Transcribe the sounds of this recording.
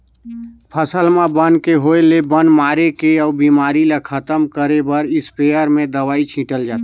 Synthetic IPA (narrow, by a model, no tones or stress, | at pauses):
pʰəsəlmabənkeɦoːelebənmaːɾekeɔːbiːmaːɾilekʰət̪əmkəɾebəɾɪspeːjəɾmẽd̪əwaːit͡ʃʰĩːʈəld͡ʒaːt̪a